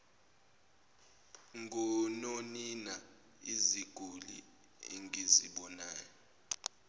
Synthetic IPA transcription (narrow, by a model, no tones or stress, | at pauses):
ŋʱɔnonina | iziɡ̥ʱulḭ | ḭŋiziɓɔnaːjɔ